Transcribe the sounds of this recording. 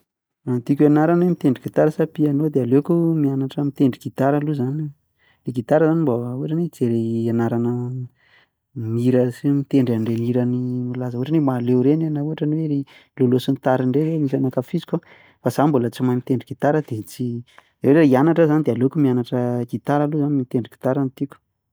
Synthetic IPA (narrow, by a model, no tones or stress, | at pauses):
ant̪ikʲanaɾanwemit̪eɳɖ͡ʐiɡit̪aɾəsapianod̪ealekumianaʈ͡ʂəmit̪eɳɖ͡ʐiɡ̥it̪aɾaluzan | leɡit̪aɾəzanimbauaʈ͡ʂaned͡zeɾeanaɾanə | miɾəsimit̪eɳɖ͡ʐaɳɖ͡ʐeniɾənimululazəuaʈ͡ʂanemaːlewɾenanauaʈ͡ʂaniwee | lolosunit̪aɾiɳɖ͡ʐeɾemisanakafizikʲa | fazambulət͡simajmit̪eɳɖ͡ʐiɡ̥it̪aɾəd̪̥et͡si | eeʈ͡ʂianaʈ͡ʂəzanid̪ealoakumianaʈ͡ʂəɡ̥it̪aɾaluzanimit̪eɳɖ͡ʐiɡ̥i̥t̪aɾanit̪ikʲu̥